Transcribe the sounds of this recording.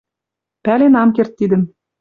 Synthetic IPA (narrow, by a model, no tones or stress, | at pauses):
pælenɑmkert̪ːid̪ɘ̆m